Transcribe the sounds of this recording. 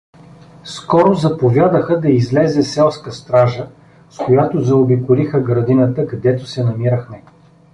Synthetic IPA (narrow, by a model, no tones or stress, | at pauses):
skɔɾozɐpovʲjad̪əxəd̪ɐizlɛzɛsɛlˠskəst̪ɾaʒə | skojat̪ozɐobikʊlixəɡɾɐd̪inət̪əkɐd̪ɛt̪ʊsɛnɐmiɾəxmɛ